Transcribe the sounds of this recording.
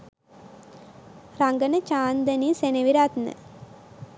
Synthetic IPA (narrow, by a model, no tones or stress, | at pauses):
ɾaŋɡənət͡ʃaːnd̪ɐniːseneʋiɾat̪nə̰